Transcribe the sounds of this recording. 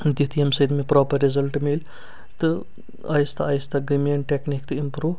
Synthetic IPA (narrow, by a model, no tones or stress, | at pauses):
d̪it̪ʰijɐmsɐid̪mepɾɔːpɐɾːezɐlʈmil | t̪ɨ | ɐjst̪ʰɐɐjst̪ɐɡimeɳʈeknikt̪ɨimpɾuː